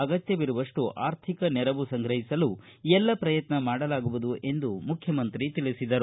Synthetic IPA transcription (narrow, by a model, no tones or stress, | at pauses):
ɐɡɐt̪jɐʋiɾuʋɐʂʈuʔaːɾt̪ʰikɐnɛɾɐʋusɐŋɡɾɐɦisɐlu | ɛlːɐpɾɐjɐt̪nɐmaːɽɐlaːɡuʋud̪uʔe̞nd̪umukʰjɐmɐnt̪ɾit̪ilisid̪ɐɾu